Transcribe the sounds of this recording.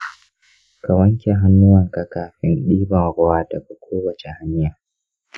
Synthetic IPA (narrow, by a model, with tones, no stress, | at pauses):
ka˨wɐ˦ŋkʲe˨ɦa˦nːʊ˦wɐ˨ŋka˨kaː˨ɸɪ˦nɗiː˦bɐ˨ŋɽʊ˦waː˦tɐ˨ka˨kʷoː˦wɐ˨t͡ʃe˨ha˦nɪ˦jaː˨